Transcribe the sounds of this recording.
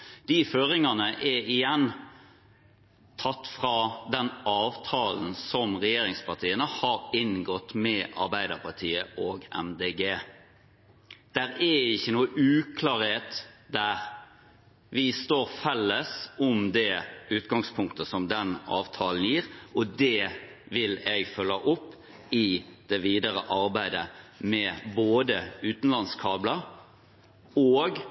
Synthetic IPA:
d̪̥ɪføːɾɪŋɑnəʔɛɪjɛnː | t̪ʰɑt̪ːfʁɑd̪ɛnɑːʋt̪ʰɑːln̩sɔmʁɛjeːɾɪŋspʰɑt̪ʰiːənəhɑɾɪnɡɔt̪ːmɛʔɑ̰ɾbæɪd̪əʁpɑʁt̪ʰiːəʔoːɡɛ̰md̪eːɡeː | d̪̥æɾɛɪçːənuːəʔʉːkʰlɑːɾheːt̪d̪æɾ | ʋɪst̪oːɾfɛlːəsɔmd̪ɛʉːt̪ɡɑŋspʰʊŋk̚t̪əsɔmd̪ɛnɑ̰ːʋt̪ʰɑːln̩jiːɾɔd̪ɛ | ʋɪlɛɡfœlːəʔʊpː | ɪd̪̥ɛʋiːd̪əɾəʔɑɾbæɪd̪əmɛboːd̪əʉːt̪n̩lɑnskʰɑːblə | oːɡ

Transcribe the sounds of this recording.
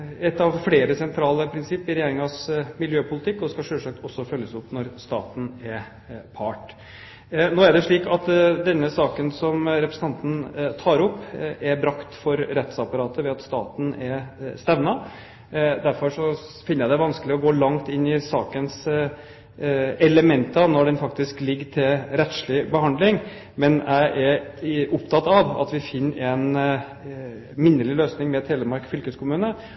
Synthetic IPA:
ɛt̪ːɑʋfleːɾəsɛnt̪ʰɾɑːləpʰɾɪnsɪpːɪɾɛjeːɾɪŋɑsmɪljøːpʰʊlɪt̪ʰɪkːɔskɑʂøːʂsɑk̚t̪ʰɔsːɔfœlːəsʊpnɔɾst̪ɑːt̪n̩ɛɾ | pʰɑːʈ | noːæɖɛʂɭiːkɑt̪d̪ɛnːəsɑːkənsɔmɾɛpɾəsn̩ʰɑnt̪n̩t̪ʰɑːɾʊpːɛɾbɾɑkt̪fɔɾɾɛt̪sɑpɑɾɑːt̪əʋɛɑt̪st̪ɑːt̪n̩ɛɾst̪ɛʋnɑ | d̪æɾfɔɾʂɔfɪnːəjæɪd̪ɛʋɑnskəlɪɔɡoːlɑŋt̪ɪnːɪsɑːkəns | ɛləmɛnt̪ɑnɔɖɛnfɑk̚t̪ɪsklɪɡːʈʰɪlɾɛt̪ʂlɪbəhɑnd̪lɪŋ | mɛnʔæɪʔɛɾʔʊpt̪ʰɑt̪ɑʋɑ̰t̪ʋɪfɪnːʔɛn | mɪnːəlɪløːsnɪŋmɛt̪ʰeːləɾmɑɾkfʏlkəskʰʊmʉːnə

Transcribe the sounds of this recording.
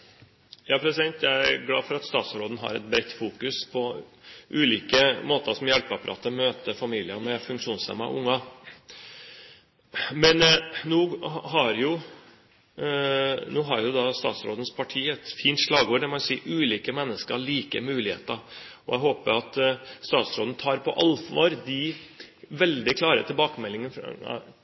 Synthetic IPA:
jɑːpʰɾɛsɪd̪ɛnt̪jæɪæɾɡlɑ̰ːfɔɾɑt̪st̪ɑːt̪sɾoːd̪n̩ɦɑ̰ɾɛ̰t̪̚bɾɛt̪ːfuːkʉspʰɔʔʉːliːkəmoːt̪əʂɔmjɛlpɑpɑɾɑ̰ːt̪ːɔmøːt̪əfɑmiːlɪəɾmɛfʉŋkʂuːnslɛ̰mɑ̰ʔʊŋːɑ | mɛnnuːɦɑɾjʊ | nuːɦɑɾjʊd̪ɑst̪ɑ̰ːt̪sɾo̰ːd̪ən̩spʰɑʈʰiːɛt̪fiːnt̪ʂlɑːɡoːɖ̪ɛmɔsiːʔʉːliːkəmɛnːəskəɾɭiːkə̰mʉːlɪhḛːt̪əɔæɪɦoːpəɾɑt̪st̪ɑːt̪sɾoːd̪n̩t̪ʰɑːɾpʰɔʔɑlfʋo̰ːɾd̪ɪ | ʋɛld̪ɪkʰlɑːɾə̰t̪ʰɪlbɑːkəmɛlːɪŋən̰

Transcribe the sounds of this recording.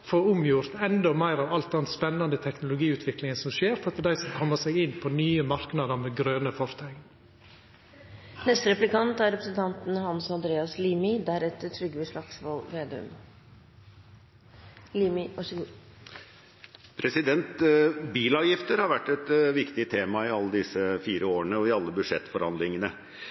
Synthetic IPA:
foɾʊmjʊɾt̪ɛnd̪ɔmæɪɾɑːʋɑlt̪̚d̪ɛnspɛnːɑnd̪ət̪ʰɛknʊlʊɡiːʉːt̪ʰʋɪklɪŋənsɔmʃeːɾfɔɾɑt̪d̪d̪æɪsɔmkʰɔmːəsæɪɡɪnpʰɔnyːəmɑɾknɑd̪əɾmeːɡɾøːnəfɔɾt̪ʰɑɡ̪ | nɛst̪ɾɛplɪkɑnt̪æɾɛpɾəsənt̪ʰɑnt̪n̩hɑnsɑnd̪ɾeːɑsliːmɪd̪æɾɛt̪ːətʰɾʏɡːʋəʂlɑksʋɔlʋeːd̪ʉ̰m | liːmɪʔɑsɡu | pʰɾɛsɪd̪ɛnt̪biːlɑːʋjɪft̪əɾhɑɾʋæʈːɛt̪ʋɪkt̪ɪt̪ʰeːmɑɪɑlːəd̪ɪsəfiːɾəoːəɳəɔɪɑlːəbʉʂɛt̪ːfɔɾhɑ̰nd̪lɪŋənə

